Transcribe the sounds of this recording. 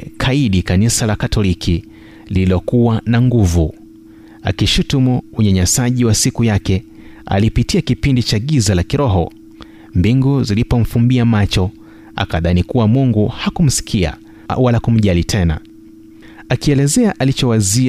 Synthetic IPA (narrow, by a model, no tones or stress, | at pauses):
kʰaiɗikanisalakatʰɔlikʰi | lililɔkuwanaŋɡuvu | a̰kiʃutumuuɲaɲasaʄiwasikujakɛ | a̰lipitiakipindit͡ʃaɠizalakiɾɔɦɔ̰ | mbiŋɡuzilipɔm̩fumbiamat͡ʃɔ | a̰kaðanikuwamuŋɡuhakum̩si̥kʰia̰ | walakum̩ʄalitʰɛna̰ | akiɛlɛzɛaʔalit͡ʃɔwazi